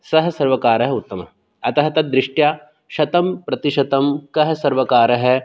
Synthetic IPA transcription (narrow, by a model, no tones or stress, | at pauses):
sɐɦɐ̆sɐɾʋɐkaːɾɐɦɐut̪ːɐmɐ | ɐt̪ɐɦɐt̪ɐd̪ɾɪʂʈjaː | ʃɐt̪ɐmpɾɐt̪iʃɐt̪ɐmkɐɦɐ̆sɐɾʋɐkaːɾɐɦɐ̆